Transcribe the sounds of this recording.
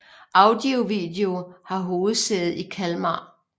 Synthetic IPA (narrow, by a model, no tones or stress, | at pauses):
ʔɑ̈ʊd̥io̝ʋḭːd̥e̝o̝hɑ̈ɦo̝ːð̩ˠseð̩ˠikʰælmɑ̰